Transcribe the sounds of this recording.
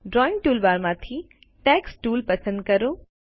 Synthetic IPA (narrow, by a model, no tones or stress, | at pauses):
ɖɾɔːɪ̃ŋɡ̚ʈuːlbaːɾmãt̪ʰi | ʈɛːksʈuːlpɐsə̃nd̪̚kɐɾoː